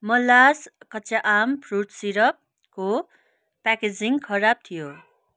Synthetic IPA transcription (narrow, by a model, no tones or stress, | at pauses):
mʌlːaskʌt͡saʔampʰruʈsiɾʌp̚ | ko | paked͡ziŋkʰʌɾab̚t̪ʰijo